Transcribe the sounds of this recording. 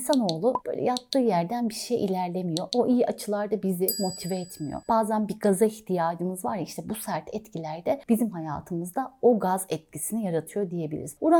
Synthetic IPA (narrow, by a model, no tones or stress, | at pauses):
sano̞ːlˠub̥ø̰jlʲɛ̰japt̪ʰːɯːjæɾd̪ænbiɾʃejʔḭlʲæɾlʲemijo̞ʔoʔijiʔat͡ʃʰɯlˠaɾd̪abizɪmo̞t̪ʰivɛɛt̪mijo̰b̥aːzænbiɡazaiçt̪ʰijaːd͡ʒɯmɯzvaɾiʃt̪ʰɛbusæɾt̪ʰɛt̪cʰilʲæɾd̪ɛb̥izimɦaja̰ːt̪ʰɯmɯzd̪ao̞ɡazɛt̪̚cisinijaɾat̪ʰɯjo̞d̪ije̞bilʲḭɾizuɾa